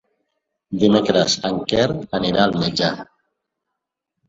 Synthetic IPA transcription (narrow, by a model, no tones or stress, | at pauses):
d̪imekɾəsəŋkɛɾəniɾalmed͡ʒa